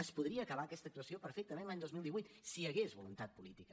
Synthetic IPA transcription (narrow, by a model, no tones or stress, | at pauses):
əspuðɾiəːkəβaəkɛst̪əkt̪uəsiopəɾfek̚t̪əmenlaɲd̪ozmilˠd̪iβujt̪siəɣezβulunt̪at̪̚pulit̪ikə